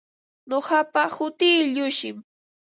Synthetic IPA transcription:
nohɑpahʊt̪ɪːʎʊʃɪm

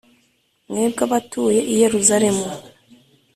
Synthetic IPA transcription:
nŋe̞ːbɡaβatuːje̞ʔije̞ɾuzaɾe̞mu

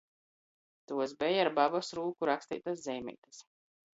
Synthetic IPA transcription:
t̪uɔzbɛjaɾbabɔsɾuːkuɾakst̪ḭːt̪aszʲɛjmʲɛ̰jt̪as

